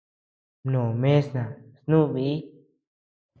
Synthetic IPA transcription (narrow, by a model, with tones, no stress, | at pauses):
nõ˨mẽ˦snã˨snũ˦˧βi˧i˦